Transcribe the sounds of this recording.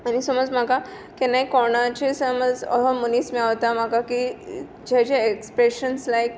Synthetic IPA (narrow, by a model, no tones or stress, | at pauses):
anisəmɔd͡zm̤aka | kɛnaikɔɽ̃at͡ɕesəməd͡zə̰ɦɔmunismiɭaʋt̪am̤akaki | d͡ʑat͡ɕaekspɾeɕənslaik